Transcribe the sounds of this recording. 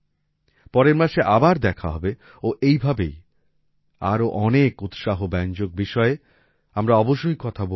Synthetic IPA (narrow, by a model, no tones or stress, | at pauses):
pɔɾeɾmaʃeʔabaɾd̪ɛkʰaɦɔbe | oʔejbʱabej | a̰ɾoʔɔnekut̪ʃaɦobɛnd͡ʑok̚biʃɔe | amɾaɔboʃojkɔt̪ʰabo